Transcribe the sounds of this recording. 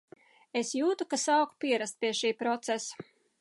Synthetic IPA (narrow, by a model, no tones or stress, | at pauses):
esjuːt̪ukasaːku̥pʲiɛɾast̪̚pʲiɛʃiːpɾɔt̪sɛsḁ